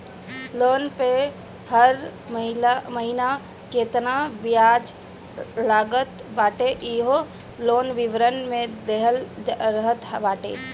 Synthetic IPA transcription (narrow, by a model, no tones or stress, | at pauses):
loːnpe | həɾɦməɦina | keːt̪nabɪjaːd͡ʒ | laːɡət̪baːʈeʔiɦo | loːnʋiʋɾənmẽd̪eɦəlɾəɦət̪baːʈḛː